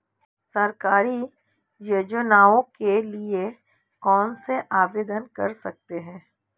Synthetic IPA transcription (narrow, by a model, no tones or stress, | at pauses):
sɐɾkaːɾi | jʊd͡ʒənaːõkelie | kɔːnseʔaːʋeːd̪ənkɐ̰ɾsɐk̚t̪eɦɛ̃ː